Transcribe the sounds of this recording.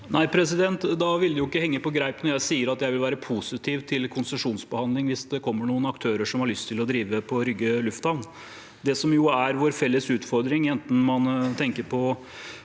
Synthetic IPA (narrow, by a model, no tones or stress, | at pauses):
nʔæɪpʰɾɛs̬ɪd̪ɛnt̪d̪ɑʋɪld̪ɪjʊɪkːəhɛŋːəpɔɡɾæɪpnɔɾjæɪsiːəɾɑt̪jæɪʋɪlʋæːɾəpʰusɪt̪ʰiːʋt̪ʰɪlkʰʊnsəʂuːnsbəhɑnd̪lɪŋʋɪsd̪ɛkʰɔmːəɳuːənɑkt̪ʰøːɾəʂɔmhɑɾɭʏst̪ʰːɪlɔd̪ɾiːʋəpʰɔɾʏɡːəlʉft̪ɑʋn | d̪ɛsɔmjʊæɾʋʊɾfɛlːəsʉːt̪fɔɾd̪ɾɪŋɛnt̪n̩mɑnt̪ʰɛŋkəɾpʰɔ